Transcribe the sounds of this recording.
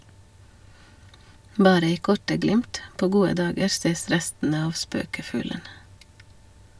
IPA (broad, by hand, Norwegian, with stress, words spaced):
ˈbɑːɾə ˈiː ˈkɔʈə ˈɡlɪmt ˈpoː ˈɡuːə ˈdɑːɡəɾ ˈseːs ˈɾɛstn̩ə ˈɑʋ ˈspøːkəˌfʉːlən